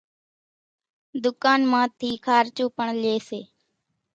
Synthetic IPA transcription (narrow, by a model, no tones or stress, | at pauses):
d̪ʊkaːnmãːt̪ʰiːkʰaːɾt͡ʃuːpəɳleːseː